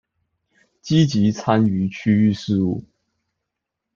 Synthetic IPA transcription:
t͡ɕi˥t͡ɕi˨˥t͡sʰa˥ny˧˥t͡ɕʰy˥y˥˧ʂɻ̩˥˧u˥˩

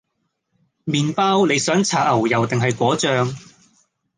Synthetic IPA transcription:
miː˨npaː˥wne˨˧jsœː˨˥ŋt͡sʰaː˨˩t̚ɐ˨˩wjɐ˨˩wt̪ɪ˨ŋɦɐ˨jkʷɔː˨˥t͡ʃœː˧ŋ

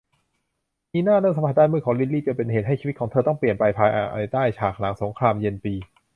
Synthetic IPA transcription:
miː˧naː˥˩nɯ˥˩ŋsa˧˦mʰpa˨˩daː˥˩nmɯ˥˩kʰɔː˩˦ŋli˦˥˩liː˥˩t͡ɕɯ˧pe˧nheː˨˩ɦa˥˩t͡ɕʰiː˧˦˥kʰːŋt̪ʰɤː˧t̪ɔ˥˩ŋpli˨˩ənpa˧jpʰaː˧jʔa̰ː˧˩ʔa˧˩t̪aː˥˩jt͡ɕʰaː˨˩k̚la˩˦ŋso˩˦ŋkʰɾaː˧mje˧npiː˧

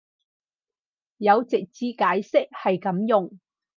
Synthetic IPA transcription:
jɐ˨˧wt͡sɪ˨k̚t͡siː˧kaː˨˥jsɪ˥k̚hɐ˨jkɐ˨˥mjʊ˨ŋ

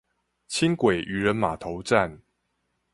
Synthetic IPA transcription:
t͡ɕʰi˦ŋkwe˨˩ɪʔy˨˩ɻə˨˦nma˨˩t̪ʰo˨˦ʊʈ͡ʂa˥˨n

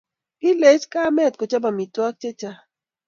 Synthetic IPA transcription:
i˦le˨˦t͡ʃka˦mɛ˦˨t̚ko˨t͡ʃa˦ba˨mi˨twa˦k̚t͡ʃe˦t͡ʃa˦

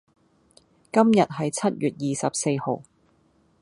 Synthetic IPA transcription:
kɐ˥mjɐ˨t̚ɦɐ˨jt͡sʰɐ˥t̚jyː˨t̚jiː˨sɐ˨p̚se˧jho̰˨˩w

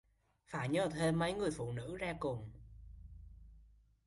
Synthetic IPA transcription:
faː˧˩ɲə˧˨˩t̪ʰe˧˩mə˨˧˦jŋɨ˨˩əjfṵ˧˩nɨ̰˧˥zaː˧kʊ˨˩ŋ͡m

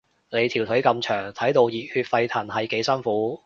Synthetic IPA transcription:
ne˨˧jt̪ʰiː˨˩wt̪ʰɵ˨˥kɐ˧mt͡ʃʰœː˨˩ŋt̪ʰɐ˨˥jt̪o˧wjiː˨˩t̚hyː˧t̚fɐ˧jt̪ʰɐ˨˩nhɐ˨jke˨˥jsɐ˥nfuː˨˥

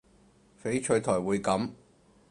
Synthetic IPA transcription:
fe˨˥jt͡ʃʰɵ˨˧˥ɥt̪ʰɔː˨˩jwuː˨˧jkɐ˨˥m

